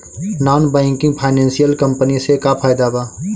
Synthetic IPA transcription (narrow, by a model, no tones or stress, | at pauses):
nɔːnbɛ̃ːŋkɪ̃ŋɡpʰaːɪnɛ̃ːnsijəlkə̃mpənisekapʰaːɪd̪abaː